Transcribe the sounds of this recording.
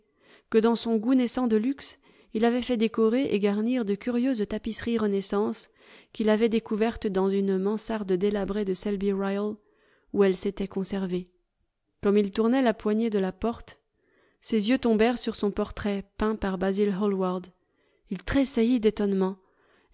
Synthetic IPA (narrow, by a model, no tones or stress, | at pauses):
kəd̪ɑ̃sɔ̃ɡunesɑ̃d̪əlyks | ilavɛfɛd̪ekɔʁeʔeɡaʁniʁd̪əkʲyʁjøzt̪apisχiʁənɛsɑ̃s | kʲilavɛd̪ekuvɛʁt̪d̪ɑ̃zynmɑ̃saʁd̪əd̪elabʁed̪əsɛlbiʁajl | uɛlset̪ɛkɔ̃sɛʁve | kɔmilt̪uʁnɛlapwaɲed̪əlapɔʁt̪ | sezjøt̪ɔ̃bɛʁsyʁsɔ̃pɔʁt̪χɛpɛ̃paʁbazilɦɔlwaʁd̪ | ilt̪χesajid̪et̪ɔnmɑ̃